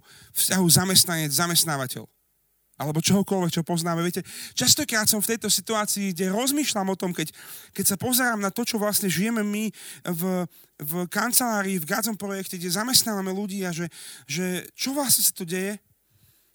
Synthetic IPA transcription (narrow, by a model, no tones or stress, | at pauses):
fscaɦuzamɛst̪naɲɛd͡zzamɛst̪naːʋacɛ̰ʎ | alɛbɔt͡ʃɔɦɔkɔlʋɛkt͡ʃɔpɔznaːmɛʋɪɛcɛt͡ʃast̪ɔkɾaːt̪sɔmft̪ɛjt̪ɔsit̪uaːt͡siːɡɟɛɾɔzmiːʃlamɔt̪ɔmkɛckɛcsapɔzɛɾaːmnat̪ɔt͡ʃɔʋlasɲɛʒijɛmɛmiv | vkant͡sɛlaːɾiːvɡaːd͡zɔmpɾɔjɛkcɛɡɟɛzamɛst̪naːʋamɛluɟiːaʒɛʒɛt͡ʃɔʋlasɲɛsḁt̪ɔɟɛjɛ